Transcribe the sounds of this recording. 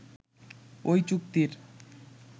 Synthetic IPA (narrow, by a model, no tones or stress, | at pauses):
ojt͡ɕuk̚t̪iɾ